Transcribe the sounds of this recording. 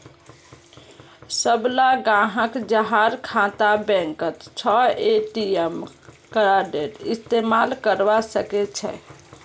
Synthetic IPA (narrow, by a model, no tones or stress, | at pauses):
səblaɡãɦəkd͡ʒəɦaɾkʰãt̪abɛ̃ŋkət̪t͡ʃʰɔeʈiem | kəɾaɖeɾist̪emalkəɾbasəkɛt͡ʃʰɛ̰